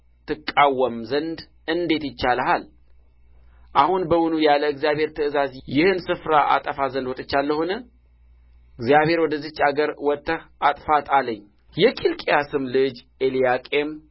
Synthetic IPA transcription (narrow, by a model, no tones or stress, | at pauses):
t̪ʰɨkʼːawːəmzənd̪ | ɨnd̪e̞t̪jɪt͡ʃːaləhal | ʔahunbəwʊnujaləɨɡzijabhe̞ɾt̪ʰəɨzazjɪhɨnsɨfɾaʔa̰t̪ʼəfazənd̪wot̪ʼɨt͡ʃːalːəhunə | ɨɡzijaβhe̞ɾwɔd̪əzɨt͡ʃːaɡəɾwɔt̪ːəhat̪ʼfat̪ʼaləɲː | jɛkʰilkʼejasɨmlɨd͡ʒ | elijakʼem